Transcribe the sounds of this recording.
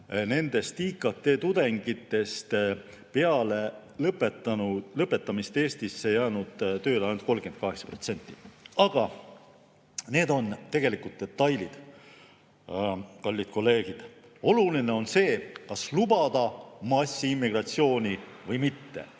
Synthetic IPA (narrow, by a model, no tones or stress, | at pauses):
ne̞nd̪̥e̞st̪ikˑɑt̪ːˑe̞ːt̪ud̪̥e̞ŋɡ̥it̪ːe̞st̪ | pe̞ɑle | lɤpːˑet̪ːˑɑnulɤpːˑe̞tpːˑɑmist̪e̞ːst̪isːe̞jɑːnud̪̥t̪ø̞ːleɑjnut̪̚ko̞lɡ̥e̞n̚kɑɦe̞ksɑ̥pro̞t̪se̞nʲt̪ːˑi̥ɑɡ̥ɑ | neːd̪o̞nt̪e̞ɡ̥e̞likult̪̚d̪et̪ːˑɑjlid̪̥ | pɑlʲːid̪̥ko̞lːe̞ːɡ̥id̪̥o̞luline̞o̞nse̞ːkɑslubɑd̪̥ɑmɑsʲːiimːiɡ̥rɑt̪sio̞ːnʲi | vɤjmit̪ːe̞̰